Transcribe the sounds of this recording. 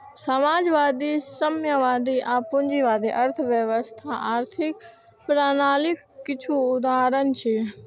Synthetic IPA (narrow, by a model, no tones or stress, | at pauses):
sɐmaːd͡ʒʋaːd̪isɐmjəʋaːd̪iʔaːpʊ̃ɲd͡ʑiʋaːd̪iʔɐɾt̪ʰəʋjəʋəst̪ʰaʔaːɾt̪ʰɪk | pɾaːnaːlɪkːɪt͡ʃʰuʊd̪ʱaːɾən̆t͡ɕʰiː